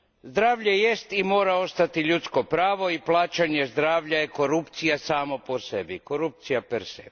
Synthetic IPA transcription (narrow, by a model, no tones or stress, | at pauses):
zd̪ɾaːʋʎejest̪imo̞ːɾao̞st̪at̪iʎut̪skopɾaːʋo̞iplˠaːt͡ʃaɲezd̪ɾaːʋʎajeko̞ɾupt̪sijasaːmopo̞sebiko̞ɾup̚t̪sijapeɾsḛbi